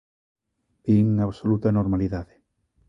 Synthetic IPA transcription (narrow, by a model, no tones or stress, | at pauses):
biŋaβsolut̪anoɾmaliðaðe